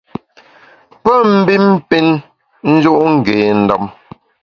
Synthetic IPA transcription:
pə˦m̩˦bi˦m˦pi˦n | n̩˦d͡ʒu˦ʔŋ̩˨ɡeː˨n̩˦˨dɔ˦˨m

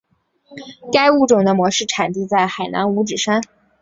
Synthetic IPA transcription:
ka˥ɪu˥˩ʈ͡ʂʊ˨˩ŋd̪ə˦mwɔ˧˥ʂɻ̩˥˩ʈ͡ʂʰa˨˩nt̪i˥˧t͡sa˥˩ɪxa˨˩ɪna̰˧˥nu˧˥ʈ͡ʂɻ̩˨˩ʂa˥n

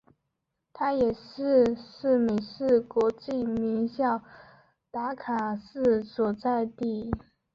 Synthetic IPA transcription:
t̪ʰa˥jɛ˨˩ʂɻ̩˥˧ʂ̩˥˩me˨˩ɪʂɻ̩˥˩kwɔ˧˥t͡ɕi˥˩mi˧˥ŋɕjɑ˥˩ʊ | t̪a˧˥kʰa˨˩sɹ̩˥˩swɔ˨˩t͡sa˥˧ɪt̪i˥˩

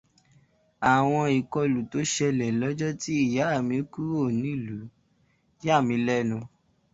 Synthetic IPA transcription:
a˨w̃ɔ̃˧i˨kɔ˧lu˨to˨˦ʃɛ˧lɛ˨lɔ˦d͡ʒɔ˦ti˦i˦˨ja˨˦˨mĩ˧˦ku˦o˦˨nĩ˦i˦˨lu˨˦ | ja˦˨mĩ˧˦lɛ˦nũ˧

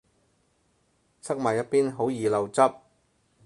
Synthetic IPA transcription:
sʰɐ˥k̚maː˨˩jɐ˥t̚piː˥nɦo˨˥wjiː˨˩lɐ˨˧wt͡sɐ˥p̚

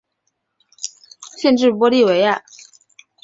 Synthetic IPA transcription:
ɕjɛ˥˧nʈ͡ʂɻ̩˥˩pwɔ˥li˥˩we˧˥ɪa˥˩

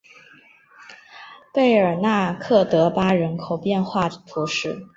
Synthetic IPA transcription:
pe˥˩ɪə˞˨˩na˥˧kʰɤ˥˩t̪ɤ˧˥pa˥ɻə˧˥nkʰo˨˩ʊpjɛ˥˧nxwa˥˩t̪ʰu˧˥ʂɻ̩˥˩

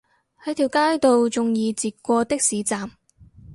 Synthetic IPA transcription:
hɐ˨˧˥jt̪ʰiː˨˩wkaː˥jt̪o˨˧wt͡sʊ˨ŋjiː˧t͡siː˨t̚kʷɔː˧t̪ɪ˥k̚siː˨˥t͡saː˨m

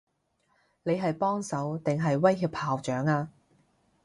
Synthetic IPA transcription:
ne˨˧jɦɐ˨jpɔː˥ŋsɐ˨˥wt̪ɪ˨ŋɦɐ˨jwɐ˥jɦiː˧phaː˨wt͡ʃœː˨˥ŋaː˧

